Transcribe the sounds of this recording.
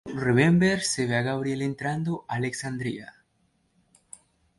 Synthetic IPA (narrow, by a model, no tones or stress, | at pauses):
reβembeɾseβaɣaβɾjelent̪ɾand̪oʔaleksand̪ɾia